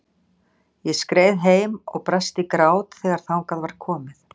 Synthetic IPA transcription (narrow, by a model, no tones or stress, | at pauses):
jɛskɾeːjðɦeːjmɔ̰ɣpɾast̪ikɾaːwt̪θɛːɣaɾ̥θawŋkaðvaɾ̥kʰɔːmɪθ